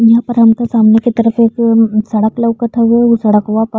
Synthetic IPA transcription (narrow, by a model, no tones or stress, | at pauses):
jɐɦãpəɾɦɐmkasaːmneket̪ɐɾəfeːksɐɽəkləʋkɐt̪ʰaɦueɦusɐɽəkɦuap